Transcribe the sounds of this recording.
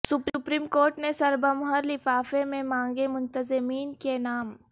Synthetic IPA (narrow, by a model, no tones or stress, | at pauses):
sʊpɾʊpɾiːmkoːɾʈnesɐɾbəmɦəɾlɪfaːfemẽmãːŋɡemʊ̃nt̪əzɪmiːnkenaːm